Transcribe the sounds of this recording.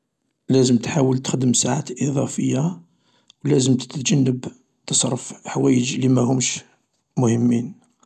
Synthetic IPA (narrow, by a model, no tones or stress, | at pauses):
læzəmt̪ħawəlt̪xd̪əmsaʕat̪ʔiðˤɑfəjːa | wlæzəmt̪ə̥t̪d͡ʒænːəb | t̪əsˤɾˤːəfħwæjəd͡ʒlimæhʊmʃ | mʊhəmːin